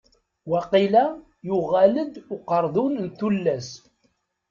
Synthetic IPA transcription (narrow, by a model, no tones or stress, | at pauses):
wɑqilæ | jʊʁæləd̪ʊqəɾˤðˤunnt̪ːulːæs